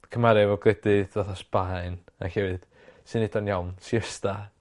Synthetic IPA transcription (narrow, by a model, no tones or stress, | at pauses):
kʰəmaɾɛvɔɡlɛdɨðɔθasb̥aɨna̰hɛwɨd̥ | sɨnɪdɔnjawnsiəsta